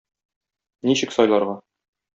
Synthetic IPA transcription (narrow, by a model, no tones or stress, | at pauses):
niɕɘksɒjlˠɑɾʁɑ